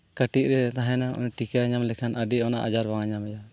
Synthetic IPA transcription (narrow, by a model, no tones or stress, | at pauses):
kəʈit̪̚ˀɾɛt̪aɦɛ̃naɔ̰nʈikaɲamlɛkʰanʔaɖiɔna̰ʔa̰d͡ʒaɾbaŋaɲamɛja